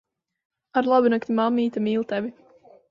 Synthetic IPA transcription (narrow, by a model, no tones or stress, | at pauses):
aɾlˠabinakt̪ʲimamːiːt̪amiːlˠt̪ɛvʲi